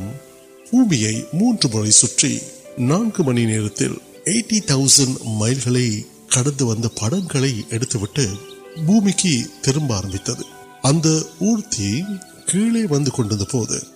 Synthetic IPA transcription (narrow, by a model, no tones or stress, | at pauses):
m | b̥uːmɪjɐɪmuːndrɯmɯrɐɪsʊʈrḭnaːnɡɯmɐnineːɾɐt̪ːɪ̰l | eɪʈːit̪ɐʊsɐnɖmɐɪlɣɐɭɐɪ | kɐɽɐnd̪ɯʋɐnd̪ɐpɐɽɐŋɡɐɭɐɪʔɛɽɯt̪ːɯʋɪʈːɯ | buːmɪkːɯt̪ɪɾɯmbaːɾɐmbɪt̪ːɐðɯ | ɐnd̪ɐuːɾt̪ːi | kiːɭeːʋɐnd̪ɯkɔɳɖɯɾɯnd̪ɐpoːðɯ̰